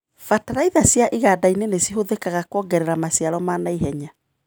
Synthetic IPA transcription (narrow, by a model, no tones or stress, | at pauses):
fataɾaiðasjaʔiɣadainenesiɦoðekaɣakwɔɡɛɾɛɾamasiaɾɔmaːnaiɦɛɲa